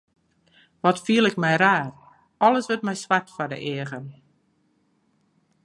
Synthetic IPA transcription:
ʋɔtfiəlˠɪkmɛjraːr | ɔlˠəsʋətmɛjsʋartfɔdə̰ʔɪəɣən

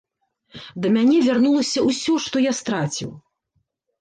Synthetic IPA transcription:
d̪ɐmʲanʲɛvʲarnulˠɐsʲɐusʲɔʂt̪ɔjast̪ɾat͡sʲḭw

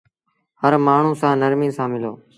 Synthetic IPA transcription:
həɾmaːɳ̤uːsãːnəɾmĩːsãːmɪloː

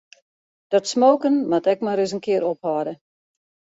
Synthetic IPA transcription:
d̥ɔtsmoːkənmatɛk̚maɾɪzənkɪəɾɔphɔdə

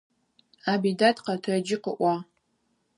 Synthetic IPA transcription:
abidatqatʰrad͡ʒɪqə̰ʔʷa

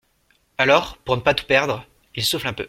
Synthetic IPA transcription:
alɔʁpuʁnəpat̪u̥pɛʁd̪ʁ | ilsuflɛ̃pø̰

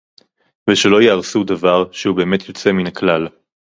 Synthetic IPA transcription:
veʃelo̞jeaʁsudavaʁʃehube̞ːme̞t̪ʰjo̞t͡se̞minaklal

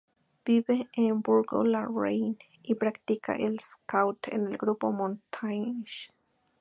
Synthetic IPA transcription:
b̥iβeẽmbuɾɡo̰laɹejn | ipɾakt̪ika̰ʔelskawt̪ʰḛnelɡɾupomõnt̪ʰajʃ

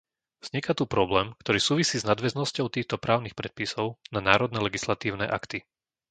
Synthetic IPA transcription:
z̥ɲɛkat̪upɾɔblɛːmkt̪ɔɾiːsuːʋisiːznad̪ʋɛznɔscɔʊt̪iːxt̪ɔpɾʔaːʊnixpɾɛt̪̚pisɔʊnanaːɾɔd̪nɛlɛɡislat̪iːʊnɛ̰ːʔa̰kt̪i

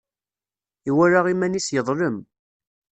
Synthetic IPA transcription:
iwæɾaʁimænisjəðˤləm

